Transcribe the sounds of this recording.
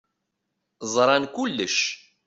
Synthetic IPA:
zˤɾˤɑnkʊlːəʃ

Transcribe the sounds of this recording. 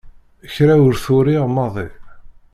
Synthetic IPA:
əçɾæʊɾθʊɾiʁmɑðˤi

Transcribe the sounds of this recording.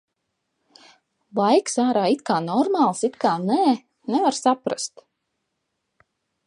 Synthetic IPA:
lˠajksaːɾaːit̪kaːnɔɾmaːlˠsit̪kaːnɛː | nɛvaɾsapɾa̰st̪

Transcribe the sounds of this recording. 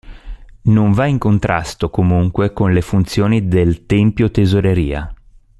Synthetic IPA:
noɱvaiŋkont̪ɾa̰st̪okomuŋkwekonlefunt̪sjoːnid̪elt̪ɛmpjot̪ezoɾeɾiːa̰

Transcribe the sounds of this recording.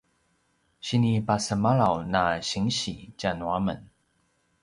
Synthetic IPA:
ɕinipasəmaɭawnaɕiŋɕḭt͡ɕanuamə̰n

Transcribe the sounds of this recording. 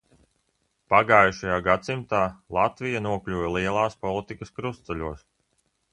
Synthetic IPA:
paɡaːjuʃajaːɡat̪simt̪aːlˠat̪vijanuɔklʲuːvɛlˠiɛlˠɑːspɔlˠit̪ikɐskɾust̪sɛlʲuɔs

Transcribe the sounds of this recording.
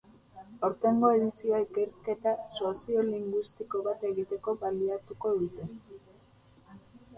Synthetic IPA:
o̞ɾt̪e̞ŋɡo̞e̞ðisioaike̞ɾke̞t̪asuasio̞liŋɡwist̪iko̞βat̪e̞ɣit̪e̞ko̞βaliat̪uko̞ðut̪e̞

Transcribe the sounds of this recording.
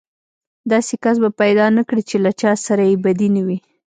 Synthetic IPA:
d̪ɑsekas̬bapajd̪ɑnakɽit͡ʃelat͡ʃɑsaɾajebad̪inawi

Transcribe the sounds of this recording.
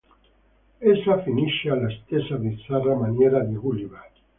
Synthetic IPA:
ɛsafiniʃːealast̪ɛsapit̪saramanjɛːɾad̪iɣulivaːt̪i̥

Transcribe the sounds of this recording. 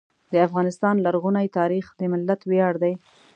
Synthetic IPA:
d̪əafɣɑnɪst̪ɑnlaɾɣunajt̪ɑɾixd̪əmɪlːat̪wjɑɽd̪aj

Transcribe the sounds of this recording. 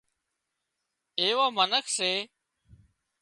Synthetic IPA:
eːʋaːmənəkʰseː

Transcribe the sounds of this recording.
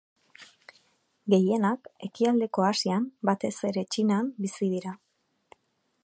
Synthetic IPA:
ɡe̞je̞nake̞kiald̪e̞ko̞asiambat̪e̞se̞ɾe̞t͡ʃinambisiðiɾa

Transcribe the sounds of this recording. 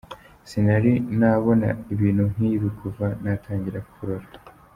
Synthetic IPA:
sinaɾinaβo̞na̰iβiːn̥hun̥iβikʰuvanatʰaːɲɟiɾakuɾoɾa

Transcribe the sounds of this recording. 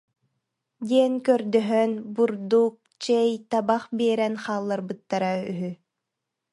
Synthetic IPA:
d̪iɛnkœɾd̪œɦœnbuɾd̪uk̚t͡ɕɛjt̪abaχbiɛɾɛnχaːlˠːaɾbɯt̪ːaɾayɦy

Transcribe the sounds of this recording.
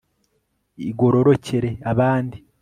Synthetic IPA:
iɡo̞ɾo̞ɾo̞ce̞ɾe̞aβaːndi

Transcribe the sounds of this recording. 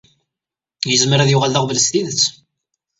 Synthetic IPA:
jəzməɾæðjʊʁalːəʁvələst̪iðət͡sː

